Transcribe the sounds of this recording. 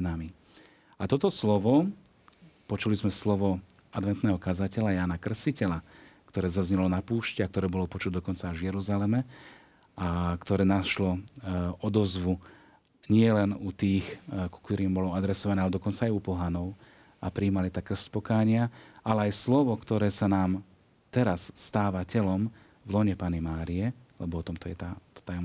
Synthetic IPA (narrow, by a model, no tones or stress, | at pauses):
nami | at̪ɔt̪ɔslɔʋɔ | pɔt͡ʃulizmɛslɔʋɔ | ad̪ʋɛnt̪nɛːɦɔkazacɛʎajaːnakr̩sicɛlakt̪ɔɾɛːzazɲɛlɔnapuːʃcɛakt̪ɔɾɛːbɔlɔpɔt͡ʃut̪ɛd̪ɔkɔnt͡savjɛɾuzalɛmɛ | ʔakt̪ɔɾɛːnaʃlɔ | ɔd̪ɔzʋu | ɲɪɛlɛnut̪iːxku̥kt̪ɔɾiːmbɔlɔad̪ɾɛsɔʋanɛːalɛd̪ɔkɔnt͡saːjupɔɦanɔʊ | apɾiːmalit̪akr̩scpɔkaːɲɪaalɛajslɔʋɔkt̪ɔɾɛːsanaːm | t̪ɛɾasːt̪aːʋacɛlɔm | vlɔɲɛpaːnimaːɾijɛlɛbɔɔt̪ɔmt̪ɔjɛt̪at̪ɔ̥t̪ajɔm